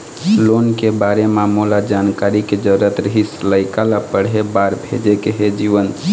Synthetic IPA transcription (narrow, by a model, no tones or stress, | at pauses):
lonkebaɾemamulad͡ʒankaɾiked͡ʒəɾət̪ɾəɦisləɪkalapəɽɦebaɾbʱḛd͡ʒekeɦed͡ʒiʋənʰ